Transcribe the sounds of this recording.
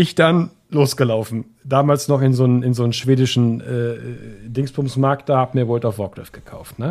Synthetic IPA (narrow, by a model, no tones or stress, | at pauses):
ɪçd̥an | loːsɡ̥əlaʊfn̩ | d̥aːmaːlsnɔχɪnzoːnnɪnzoːnənʃv̥eːdɪʃn̩ʔɛːdɪŋsb̥ʰʊmsmaɐktahaːbmiːɐvoːltaʊfv̥ɔɐkl̥ɛ̰fɡ̥ə̥kʰaʊftnə